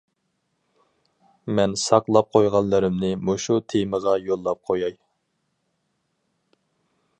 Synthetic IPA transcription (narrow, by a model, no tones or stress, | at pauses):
mɛnsɑqlˠɑp̚qʰojʁɑnlˠɨɾɪmnɪmoʃut̪ʰeməʁɑjolˠːɑp̚qʰojɑj